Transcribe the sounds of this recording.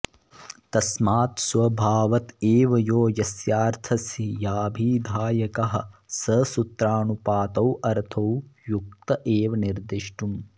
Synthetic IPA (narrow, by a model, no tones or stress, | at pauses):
t̪ɐsmaːt̪swɐbʱaːʋɐt̪eːʋɐjoːjɐsjaːɾt̪ʰɐsijaːbʱiːd̪ʱaːjɐkɐɦɐ̰̆sɐsut̪ɾaːnupaːt̪ɐwʔɐɾt̪ʰɐwjuk̚t̪ɐʔeːʋɐniɾd̪iʃʈum